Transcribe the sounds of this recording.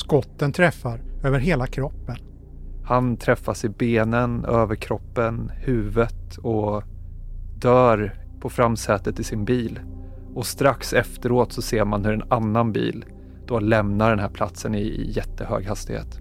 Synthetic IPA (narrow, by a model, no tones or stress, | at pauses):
skɔt̪ːənt̪ʰɾɛfːaɾøːvəɾɦeːlakʰɾɔpːən | hant̪ʰɾɛfːasɪbeːnənøːvəɾkʰɾɔpːənhʉ̟ːvət̪ | ɔ | d̪œːɾ | pʰɔfɾamːsɛːt̪ət̪ːɪsɪnbiːl | ɔst̪ɾaksɛft̪əɾoːt̪sɔseːɾmanhɵɾɛnanːanbḭːl | d̪̥ɔlɛmnaɖɛnɦæːɾpʰlat̪sənɪ̰jɛt̪ːəhø̰ːɡhast̪ɪhḛːt̪